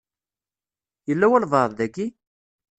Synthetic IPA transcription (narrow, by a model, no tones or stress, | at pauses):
jəlːæwælvˤɑɾˤððæɡi